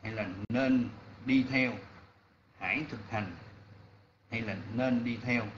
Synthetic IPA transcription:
ha˧jlaː˨˩ne˧nɗi˧t̪ʰɛ˧w | ha̰ː˧˩jt̪ʰɨ˨˩k̚ha˨˩jŋ̟ | ha˧jlaː˨˩neː˧nɗi˧t̪ʰɛ˧w

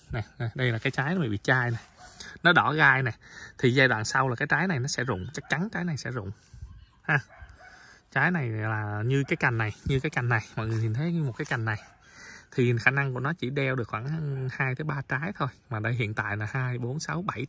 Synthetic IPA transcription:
nɛ˨˩˨ɗə˧jlaː˨˩kaː˨˦jt͡ɕaː˨˦jnɔ˨˦ḭ˧˩ɓḭ˧˨t͡ɕaː˧jnɛ˨˩nɔ˨˦ɗɔ˧˩ɣaː˧jnɛ˨˩t̪ʰi˨˩zaː˧jɗwa̰ː˧˨nsa˧wla˨˩kaː˨˦jt͡ɕaː˨˦jna˨˩jnɔ˨˦sɛ̰˧˥zʊ̰˧˨ŋ͡mt͡ɕa˦˥k̚t͡ɕa˨˦nt͡ɕaː˨˦jna˨˩jsɛ̰˧˥zʊ̰˧˨ŋ͡m | haː˨˧˦ | t͡ɕaː˨˦jna˨˩jlaː˨˩ɲɨ˧kaː˨˦jka˨˩jŋ̟na˨˩jɲɨ˧kaː˨˦jka˨˩jŋ̟na˨˩jmɔ̰˧˨jŋɨ˨˩hi˨˩nt̪ʰə˨˦jɲɨ˧mo˨˩kaː˨˦jka˨˩ŋ̟na˨˩j | t̪ʰi˨˩xaː˧˩na˧ŋkṵ˧˩ənɔ˨˦t͡ɕi˧˩ɗɛ˧wɗɨ˨˩ək̚xwaː˧˩˧haː˧jt̪ʰə˨˦jɓaː˧t͡ɕaː˨˦jt̪ʰo˧jmaː˨˩ɗə˧jɦḭ˧˨ənt̪a̰ː˧˨jlaː˨˩haː˧jɓo˨˦nsa˨˦wɓa˧˩j

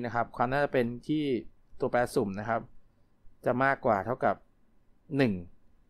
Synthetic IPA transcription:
na˦˥kʰa˦˥p̚kʰwaː˧mnaː˥˩t͡ɕa˨˩pe˧nt̪ʰiː˥˩ | t̪u˧ɐpɛː˦˥su˨˩˦mna˦˥kʰa˦˥p̚ | t͡ɕa˨˩maː˥˩kːwaː˨˩t̪ʰa˥˩wka˨˩p̚ | nɯ˨˩ŋ

